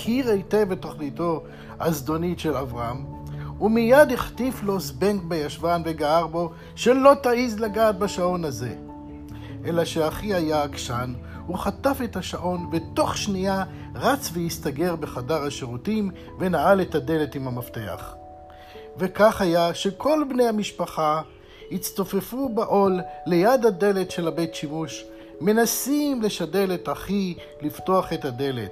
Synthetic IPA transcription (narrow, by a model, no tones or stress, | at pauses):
kiʁejtevetoχnito̞ | azdo̞nitʃelavʁaamumijadiχtiflo̞sbenkbejaʃvanveɡaaʁbo̞ | ʃelo̞taizlaɡaːt̚baʃao̞nhaze̞ | ʔelaʃeaχihajakʃan | uχatafetaʃaʔo̞nveto̞χʃnia | ʁat͡svejist̪aɡe̞ʁbe̞χadaʁhaʃeʁutim | venaʔale̞thade̞le̞timhamafte̞a̰χ | ve̞kaχhajaʃe̞kʰo̞lbnejhamiʃpaχa | hit͡stofefubaʔo̞lːejadade̞le̞tʃe̞labe̞jtʃimuʃ | me̞nasimle̞ʃade̞letaχi | lifto̞aχe̞tade̞le̞t